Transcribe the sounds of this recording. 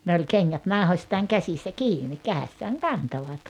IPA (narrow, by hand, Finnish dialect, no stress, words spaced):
ne olʲ keŋːæt nɑˑuhosʲtɑːŋ kæsisːæ kiːni kæesːæːŋ kɑntoʋɑt